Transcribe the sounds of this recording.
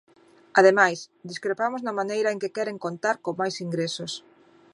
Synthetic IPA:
aðemajsd̪iskɾepamʊznɐmanejɾɐeŋkekɛɾeŋkont̪aɾkomajsiŋɡɾesos

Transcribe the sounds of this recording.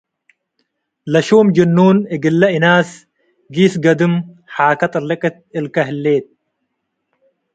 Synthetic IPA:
lɐʃuːmd͡ʒɐnːuːnɪɡɪlːɐɪnaːs | ɡiːsɡɐd̪ɨmħaːkɐt̪ʼɐɾlɪkʼɪt̪̚ɪlkɐɦɪlːeːt̪̚

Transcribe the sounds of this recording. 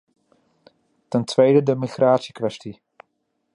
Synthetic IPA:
tɛntʋejdədəmiχraːtsikʋɛsti

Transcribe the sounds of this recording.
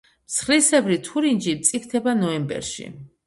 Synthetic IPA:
msχlisɛvɾit̪ʰuɾind͡ʒit̪sʼifʰt̪ʰɛbanɔɛmbɛ̰ɾʃḭ

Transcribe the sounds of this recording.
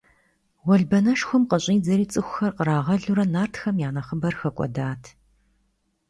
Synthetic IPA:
wɔɮbɐnɐʃxʷʊmqəɕʼiːd͡zɐɾiːt͡sʼɨxʷʊ̥xɐrqəɾaːʁɐɮuɾɐnaːrtʰxɐmjaːnɐχəbɐrxɐkʷʼɔ̰daːtʰ

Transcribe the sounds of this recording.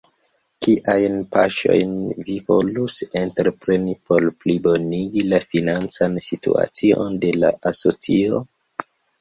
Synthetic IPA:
kiʔajnpaʃo̞̰jnvivo̞lusenteɾepɾe̞nipo̞ɾplibo̞niɡilafinant͡sansitṵa̰t͡sio̞̰nde̞la̰aso̞t͡sio̞

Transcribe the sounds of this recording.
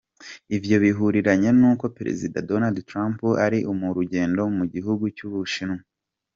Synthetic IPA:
ivjo̞βiɦuɾiɾaɲe̞nuːko̞peɾḛzidadonaldtɾampuaɾiʔumuɾuɟe̞ːndo̞muɟiɦuɡucuβuʃinu

